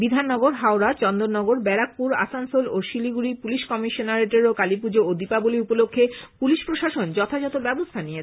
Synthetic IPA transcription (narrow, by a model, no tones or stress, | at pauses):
bid̪ʱanːɔɡoɾɦaoɾat͡ɕɔnd̪oɾnɔɡoɾbɛɾak̚puɾa̰sansoloʃiliɡuɾipuliʃkɔmiʃonaɾeʈeɾokalip̬ud͡ʑood̪ipaboliupolokʰːepuliʃpɾoʃaʃond͡ʑɔt̪ʰad͡ʑɔt̪obɛbost̪ʰanijet͡ɕʰ